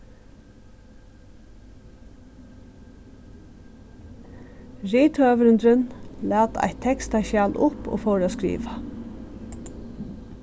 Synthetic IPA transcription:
ɹiːt̪ʰœːʋɾʏnd̪ɾɪnlæːt̪a̰ht̪ʰːɛkst̪aʃaːlʔʊpo̰ːfɔːwɾaskɾḭːʋa

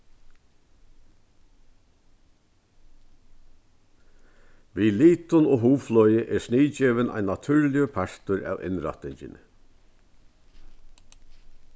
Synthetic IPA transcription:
ʋiːliːt̪ʊnoːɦuːflɔjɪʔɛɾʂniːt͡ɕɛːʋɪnʔa̰jnːat̪ʰʏɹlɪəpʰaʂt̪ʊɾæ̰ːwʔɪ̰nɾa̰t̪ɪɲt͡ʃɪ̰n

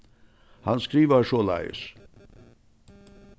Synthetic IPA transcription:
hɑnskɾiːʋəɾʂola̰ɪ̰s

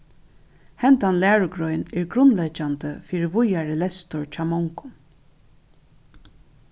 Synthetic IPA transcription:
hɛnt̪anlæːɹʊɡɹɔʏnɛɹɡɾʊnlɛt͡ʃant̪əfiːɾɪvʊjaɹəlɛst̪ʊɹt͡ʃʰɑːmɔŋkʊ̥n

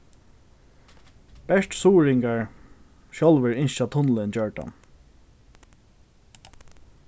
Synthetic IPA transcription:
b̥ɛʂtsuːɹɪŋkaɹ | ʃjɔlʋɪɹɪnʃat̪ʰʊnlɪnt͡ɕœɹʈa̰n

